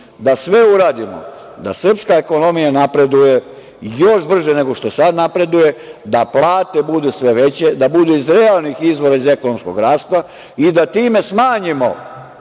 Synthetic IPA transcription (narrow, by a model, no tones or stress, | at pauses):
d̪asʋeuɾaːd̪imo̰ | d̪a̰sr̩pskae̞ko̞no̞mijanapɾe̞d̪uje̞ | jo̞ʃbr̩ʒene̞ɡo̞ʃt̪o̞sad̪napɾe̞d̪uje̞d̪aplˠaːt̪e̞bud̪usʋe̞ʋet͡ɕe̞d̪abud̪uizɾealˠnixizʋo̞ɾaize̞ko̞nomsko̞̰ɡɾaːst̪a | id̪at̪iːme̞smaːɲimo̞̰